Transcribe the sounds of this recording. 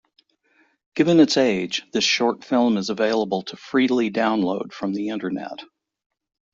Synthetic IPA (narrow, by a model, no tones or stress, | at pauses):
ɡ̥ɪvɨ̃nɨtseɪ̥d͡ʒðɪsʃɔɹtfɪlˠmɨzəveɪlˠəbl̩ˠtʰəfɹidˡl̩ˠidãʊ̃nloʊd̥fɹʌ̃mðiɪ̃ntə˞nɛ̰t̚